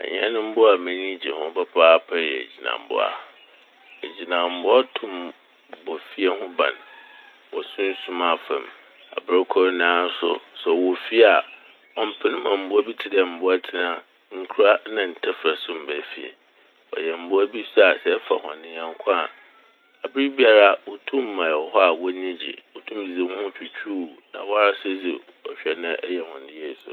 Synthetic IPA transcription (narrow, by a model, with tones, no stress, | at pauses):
a̰˨ɲɛ̰̃˦nʊ̃˦m̩˦bʊ˦a˨mɛ̃˦nĩ˦d͡ʑi˨hʊ̃˦ba˦pʰaː˦pʰa˦jɛ˨ḛ˨d͡ʑi˨nã̰˨m˨bʊ̰˦a̰˨ | e˨d͡ʑi˨nã˨m̩˦bʊ˦a˦tʰʊ̃˦˨m | bɔ˨fi˦ɛ˦ɦʊ̃˦bã̰˨n | wɔ˨sʊ̃˦n̩˦sũ˦ma˨fã˨m | a̰˨bɪ˦ɾkʰɔ˦ɾnãː˦n˦sʊ̰˦sɛ˨wɔ˨fi˦a˨ | ɔ˨m̩˦pʰɪ˦n˦mã˨m̩˨bʊ˦æ˦bi˦tʰɪ˦dɛ˨m̩˨bʊ˦a˦tʰɪ˨nã˦ | ŋ̩˦kʰu˦ɾa˦nã˨n̩˨tʰɛ˦fɾa˨sʊ̃˦m̩˨bæ˨fḭ˨ḛ˨ | ɔ̰˨jɛ˨m̩˨bʊ˦æ˦bi˦sa˨sɛ˦fa̰˨hɔ̰̃˨nɪ̃˦ɲã˨ŋ˦kʷʰã˦˨ | a˨bɪ˦bi˦a˦ɾa˦wɔ˦tʰũ˦mː˦ã˨ɛ˨wɔ˨hɔ˦a˨wɔ˦nĩ˦d͡ʑḭ˨wo˨tʰũ˦mi˨zi˨˦hʊ̃˦t͡ɕᶣi˨t͡ɕᶣʰu˦˨nã̰˨wɔ˦a˦a˦sʊ˦d͡zḭ˨ | ɔ˨ɕᶣɛ˨nã˦ʔɛ˦jɛ˨hʊ̃˨n˨dɪ˦ɛ˦˨sʊ̰˨